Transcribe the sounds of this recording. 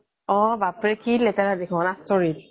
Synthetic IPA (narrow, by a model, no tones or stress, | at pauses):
ɔbapɹɛkilːɛtɛɹadekʰɔ̃nastɔɹil